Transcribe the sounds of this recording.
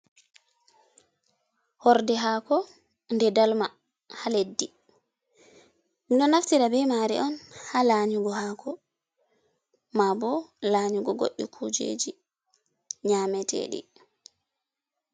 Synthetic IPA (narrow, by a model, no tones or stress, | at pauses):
hɔɾdɛɦaːkɔ | ndɛdalma | haledːi | miɗɔnaftiɾabɛmaɾḭʔɔnhalaɲuɡɔhakʰɔ | mabɔlaɲuɡɔɡo̰ɗːḭkʰud͡ʒḛːd͡ʒi | ɲamɛtʰɛ̰ɗḭ